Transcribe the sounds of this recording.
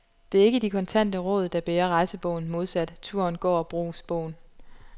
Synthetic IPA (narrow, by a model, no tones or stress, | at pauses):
d̥e̝æɐe̝ɡ̥əd̥ikʰɒ̽nt͡sʰæn̰d̥əʁɔ̽ːð̞̩ˠd̥ɑb̥eːɐʁɑ̈ɪsəb̥ɔ̽ʊn̩mo̝ð̞ˠsæd̥t͡sʰuɐnɡ̥ɒ̰ːɒb̥ʁo̰ːsb̥ɔʊ̰n